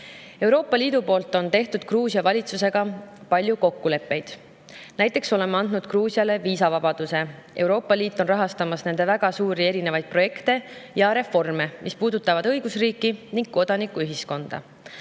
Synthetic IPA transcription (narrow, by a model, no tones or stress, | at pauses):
e̞wɾo̞ːpːˑɑliːd̪̥upo̞ːlt̪ːˑo̞nt̪e̞ht̪ud̪̥̚kruːsiɑvɑlʲit̪suse̞ɡ̥ɑpɑlʲjuko̞kːule̞pːe̞jd̪̥ | næjt̪ːˑe̞kso̞le̞mːeɑnd̪̥nud̪̥kruːsiɑle̞viːsɑvɑbɑd̪̥use̞ | ʔe̞wɾo̞ːpːˑɑliːt̪ːˑo̞nrɑɦɑst̪ɑmɑsne̞nd̪̥e̞væɡ̥ɑsuːɾie̞ɾine̞vɑjd̪̥̚pro̞je̞kt̪e̞jɑɾe̞fo̞rme̞mʔispuːd̪̥ut̪ːˑɑvɑd̪ɤ̞jɡ̥usriːkːˑiniŋɡ̥̚ko̞d̪̥ɑnikːuyɦisko̞nd̪̥ɑ̰